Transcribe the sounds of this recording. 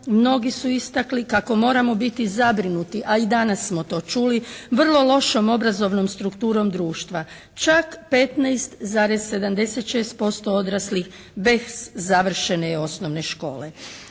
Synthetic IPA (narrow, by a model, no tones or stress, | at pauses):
mno̞ɡisuist̪aklikako̞mo̞ːɾamo̞bit̪izabɾinut̪iʔaid̪anasːmo̞t̪o̞ːt͡ʃuliʋr̩lˠo̞lo̞ʃo̞mo̞bɾazo̞ʋnomst̪ɾukt̪uːɾo̞md̪ɾuːʃt̪ʋa | t͡ʃakpe̞t̪najst̪zaːɾezse̞d̪amd̪e̞se̞t̪ʃe̞ːst̪̚po̞st̪o̞od̪ɾaslix | be̞szaʋr̩ʃe̞neo̞sno̞ʋne̞ʃko̞ːle̞